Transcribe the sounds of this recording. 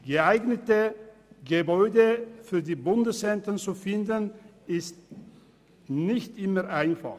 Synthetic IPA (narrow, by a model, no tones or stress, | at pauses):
ɡ̥əaɪɡnətəɡəbɔʏdəfyːɐdiːbʊndəshɛntənt͡sufɪndənɪst | nɪçtʔɪməʁʔaɪnfa̰χ